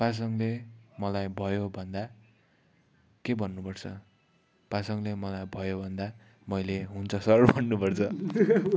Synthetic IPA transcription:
pas̬ʌŋlemʌlajbʱʌjobʱʌnd̪a | kebʱʌnːupʌrt͡sʰʌ | pasʌŋlemʌlajbʱʌjobʱʌnd̪a | mʌjleɦunt͡sʰʌsʌrbʱʌnːupʌrt͡sʰʌ

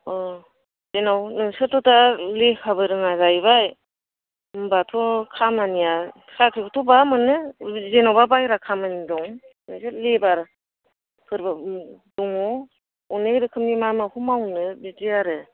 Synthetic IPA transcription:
ɔ | zenawnɯŋsɯtɔtalekʰabɯɾɯŋazajbaj | mbatʰɔkʰamanija | sakʰɯkʰutʰɔbamɯnɯzenawbabajɾakʰamanidɔŋ | nɯŋsɯlebaɾ | pʰɯɾbaduŋɔ | uneɾɯkʰɯmnimamahumawnɯbitijaɾɯ

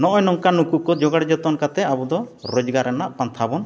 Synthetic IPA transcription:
nɔʔɔjnɔŋkanukukɔd͡ʒɔɡaɽd͡ʒɔt̪ɔnkat̪ɛabud̪ɔɾɔd͡ʒɡaɾɛnaʔpant̪ʰabɔn

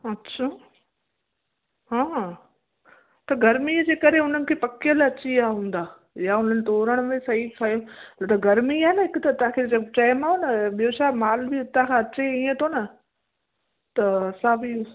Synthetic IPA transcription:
ɐtːɕʰaː | ɦãː | t̪ɐɡɐɾmid͡ʑeːkɐɾeʊn̤ənɪ̆kʰeːpɐkɪjəlɐt͡ɕiaːɦɦũːn̆d̪aː | jaʊn̤ənɪ̆t̪oːɾəɽ̃ʊmẽsɐɦifʰajot̪ɐɡɐɾmiaːnɐɦɪkʊt̪ɐt̪ãkʰed͡ʑɐt͡ɕaɪmaːɦonɐɓijot͡ɕʰaːmaːlbiʊt̪ãkʰãɐt͡ɕeiːə̃t̪ʰonɐ | t̪ɐɐsaːbi

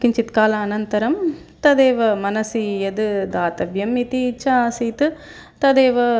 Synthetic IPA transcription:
kiɲt͡ʃit̪kaːlɐːnɐnt̪ɐɾɐm | t̪ɐd̪eːʋɐmɐnɐsijɐd̪ɨd̪aːt̪ɐʋjɐmit̪it͡ʃasiːt̪ɨ | t̪ɐd̪eːʋɐ

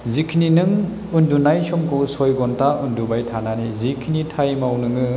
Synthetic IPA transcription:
zikʰininɯŋ | undunajsɔmkʰɔwsɔjɡɔntʰaundubajtʰananizikʰinitʰajmawnɯŋɯ

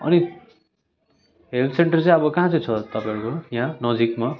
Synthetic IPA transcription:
ʌ̰ni | ɦelseɳʈʌrt͡sʌ̃ĩʌbʌkaɦãt͡sʌ̃j̃t͡sʰʌt̪ʌpãjɾukojɦãnʌd͡zikma

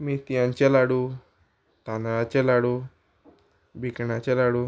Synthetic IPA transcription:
mit̪ijaɲt͡ɕelaɽu | t̪anaɭat͡ɕelaɽu | bʱikɳat͡ɕelaɽu

